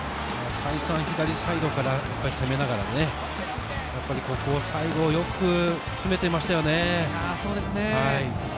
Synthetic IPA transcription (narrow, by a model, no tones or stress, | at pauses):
maːsaisãɰ̃çid̪aɾʲisaid̪o̞kaɾajapːaɾʲise̞me̞naɡaɾa̰ne̞ | japːaɾʲiko̞ko̞ːsaiɡo̞ːjo̞kɯ̟ | t͡sɨme̞t̪eimaɕi̥t̪ajo̞ne̞aːso̞ːd̪esɨnehai